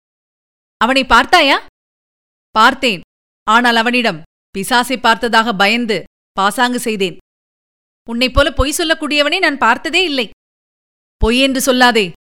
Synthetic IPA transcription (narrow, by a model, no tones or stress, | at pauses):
ɐʋɐnɐɪpːaːɾt̪aːjaː | paːɾt̪eːn | aːnaːlɐʋɐnɪɽɐm | pɪsaːsɐɪpːaːɾt̪ɐðaːɣɐbɐjɐnd̪ɯ | paːsaːŋɡɯsɛjðeːn | ʊnːɐɪpːoːlɐpɔjsɔlːɐkːuːɽɪjɐʋɐnɐɪnaːnpaːɾt̪ɐðeːɪlːɐɪ | pɔjɛndrɯsɔlːaːðeː